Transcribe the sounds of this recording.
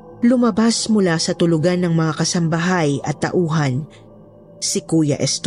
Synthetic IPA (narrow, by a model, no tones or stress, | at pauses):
lʊmɐbasmʊlasɐt̪ʊlʊɡanːɐŋmɐŋakɐsɐmbɐɦajʔɐt̪ːɐ̰ʔuːɦɐn | sɪkuːjɐ̰ʔɛst̪